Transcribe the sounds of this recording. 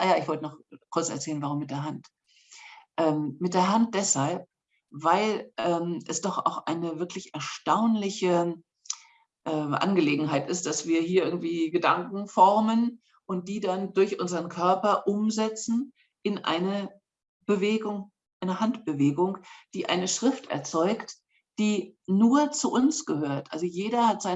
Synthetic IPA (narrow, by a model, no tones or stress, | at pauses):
ʔajaːɪçv̥ɔltənɔχkʰʊɐt͡sɛɐt͡sɛːlənvaʁ̞ʊmːɪt̚d̥eːɐɦant | ʔɛːmmɪt̚d̥eːɐɦant̚d̥ɛshalp̚ | v̥aɪlʔɛːmʔɛsd̥ɔχʔa̰ʊxʔa̰ɪnəvɪɐklɪçɛɐʃtaʊnlɪçə | ʔɛːʔa̰nɡəleːɡŋ̩ɦaɪtɪst̚d̥asv̥iːɐhiːɐʔɪɐɡŋ̩tv̥iːɡədaŋkŋ̩fɔʁmən | ʔʊnt̚d̥iːdandʊɐçʔʊnzəʁənkʰœɐpɐʔʊmzɛt͡sn̩ | ʔɪnʔa̰ɪnə | b̥əveːɡʊŋ | ʔaɪnəhantb̥əveːɡʊŋd̥iːʔa̰ɪnəʃʁ̥ɪftɛ̰ɐt͡sɔʏkt | d̥iːnuːɐt͡suʔʊnsɡ̥əhøːɐtʔa̰lzojeːɾɐhatz̥aɪ